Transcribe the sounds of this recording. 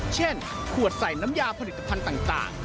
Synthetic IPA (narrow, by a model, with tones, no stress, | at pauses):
t͡ɕʰe˥˩n | kʰu˨˩ət̪̚sa˨˩jna˦˥mjaː˧pʰa˧li˨˩t̪ːa˧pʰa˧nt̪aː˨˩ŋt̪a̰ː˨˩ŋ